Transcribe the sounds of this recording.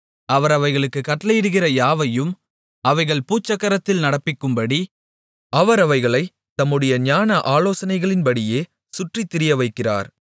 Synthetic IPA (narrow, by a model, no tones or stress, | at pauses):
ɐʋɐɾɐʋɐɪɣɐɭɯkːɯkɐʈːɐlɐjɪɽɯɣɪrɐjaːʋɐjɯm | ɐʋɐɪɣɐɭpuːt͡ʃːɐkːɐɾɐt̪ːɪlnɐɽɐpːɪkːɯmbɐɽi | ɐʋɐɾɐʋɐɪɣɐɭɐɪ | t̪ɐmːɯɽɐjɐɲaːnɐʔaːloːsɐnɐɪɣɐɭɪnpɐɽɪjeː | sʊʈrit̪ːɪɾɪjɐʋɐɪkːɪra̰ːɾ